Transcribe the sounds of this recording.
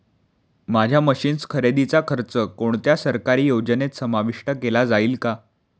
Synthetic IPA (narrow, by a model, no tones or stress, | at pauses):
mad͡ʑʱjaməɕiːnskʰəɾed̪it͡sakʰəɾt͡səkoɳt̪jasəɾkaɾiːjod͡ʑənet̪səmaʋiʂʈəkelad͡zaiːlka